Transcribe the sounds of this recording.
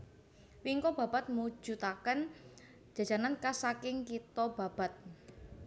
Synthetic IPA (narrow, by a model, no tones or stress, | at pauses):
wiŋkɔb̥ä̤b̥a̤t̪̚mu̥d͡ʒ̥ṳt̪akən̥ | d͡ʒ̥a̤̥d͡ʒ̥a̤nankasakɪŋkit̪ɔb̥a̤b̥a̤t̪̚